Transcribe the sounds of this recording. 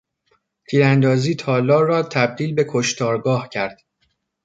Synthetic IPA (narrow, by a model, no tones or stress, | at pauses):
t̪ʰiːɾænd̪ɒːziːt̪ʰɒːlɒːrɒːt̪ʰæb̚d̪iːlbe̞kʰoʃt̪ɒːɾɡɒːhcʰæɾd̪̥